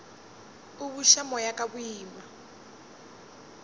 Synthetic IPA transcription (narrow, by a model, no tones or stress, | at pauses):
uβuʃamɔjakaβuiːma